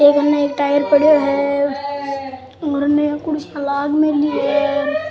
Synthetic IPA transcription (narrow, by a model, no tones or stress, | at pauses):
eːkɐnːeeːk̚ʈaːjəɾpəɽjoɦɛ | ɾnekʊɽɪʃãlaːɡmẽliɦɛ